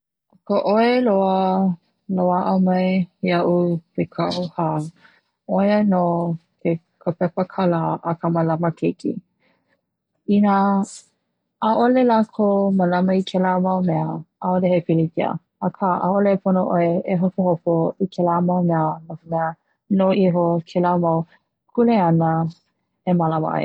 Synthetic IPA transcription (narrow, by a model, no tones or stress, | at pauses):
kəʔoeloə | loaʔəmɐjiɐʔupʰekʰaʔoha | ojənokʰe | kʰəpɛpəkʰalaʔːkʰəmɐlɐməkʰekʰḭ | ina | ʔolelakʰoməlɐmɐikʰɛlamɐwmɛəaolehepilikiə̰ | ɐkʰaʔa̰olepʰonoʔoeeɦopohopoikʰelamɐwmɛənokomɛə | noʔiɦokʰelamɐw | kʰuleɐnə | emalawa̰ḛ